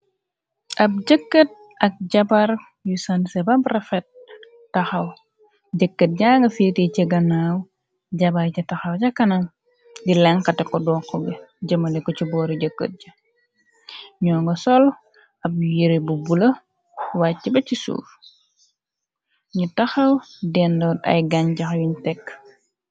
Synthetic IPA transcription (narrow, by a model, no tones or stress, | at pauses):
ʔɐb̚ɟəkːət̚ | ɐk̚ɟɐbɐɾ | jusansɛbabrɛfɛt̚ː | ɐxɐw | ɟəkːət̚ɟaːŋɡɐfiːticɛɡɐnaw | ɟɐbɐɾcitɐxɐwɟɐkːɐnɐŋ | dilɛŋkɐtɛkɔdɔːkːɔɡɛɟɐmɐlɛkɔcibɔːɾiɟəkːə̰t̚ɟɐ | ɲɔːŋɡɔsɔl | ɐbjiɾibubulɐ | waibɐcisṵːf | ɲutɐxɐwdɛndɔdɐ̰jɡaɲɟɐxjuɲtɛkː